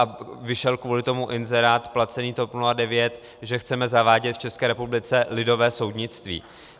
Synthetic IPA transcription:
avɪʃɛlkvuːlɪt̪o̞muʔɪnzɛɾaːt̪plat͡sɛniːt̪opnuladɛvjɛt̪ | ʒɛxt͡sɛmɛzavaːɟɛt̪ft͡ʃɛskɛːɾɛpublɪt͡sɛlɪdo̞vɛːso̞wdɲɪt͡st̪vḭː

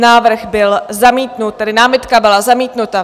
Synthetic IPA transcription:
naːvr̩ɣbɪlzamiːt̪nut̪̚t̪ːɛdɪnaːmɪt̪kabɪlazamiːt̪nut̪a

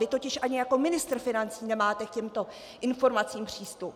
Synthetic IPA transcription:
vɪt̪o̞cɪʃʔaɲɪjako̞mɪnɪst̪r̩fɪnant͡siːnɛmaːt̪ɛkcɛmt̪o̞ | ʔɪnfo̞ɾmat͡siːmpr̝̥iːst̪up

